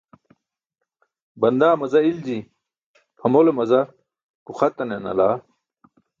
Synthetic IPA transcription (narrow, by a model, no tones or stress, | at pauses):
bɐnd̪aːmɐzɐild͡ʑi | pʰɐmolemɐzɐ | kuxɐt̪ɐnenɐ̰laː